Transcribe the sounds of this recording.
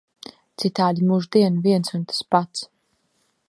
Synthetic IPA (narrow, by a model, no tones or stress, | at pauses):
t̪sit̪aːd̪imuʒd̪iɛnviɛnsunt̪ḁspat̪s